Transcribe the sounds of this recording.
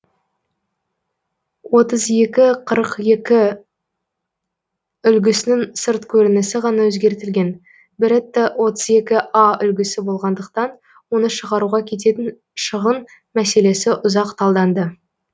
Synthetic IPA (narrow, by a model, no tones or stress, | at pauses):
wo̞t̪əze̞kʲɪqʰəɾəqje̞kʲɪ | ʏlɡʲɪsɪnɪŋsəɾt̪kʲʰɵɾɪnɪsɪʁɑnɑwɵzɡʲe̞ɾt̪ɪlɡʲe̞n | bɪɾɪt̪ːewo̞t̪əze̞kʲɪʔɑʏlɡʲɪsɪbo̞lˠʁɑnd̪əq̚t̪ɑn | wo̞nəʃəʁɑɾuʁɑkʲʰe̞t̪̬e̞t̪ɪn | ʃəʁən | mæse̞le̞sɪʔʊzɑqt̪ʰɑlˠd̪ɑnd̪ə